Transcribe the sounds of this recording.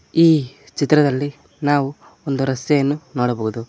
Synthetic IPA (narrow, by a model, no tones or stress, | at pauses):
iː | t͡ʃit̪ɾɐd̪ɐlːi | naːʋu | ond̪uɾɐst̪jɐjɐnːunoːɽɐboːɣud̪u